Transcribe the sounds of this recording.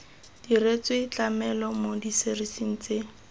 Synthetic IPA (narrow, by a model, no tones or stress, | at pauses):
d̥iret͡sɪit͡ɬamɛlɔmodiserisin̩ːt͡sɪ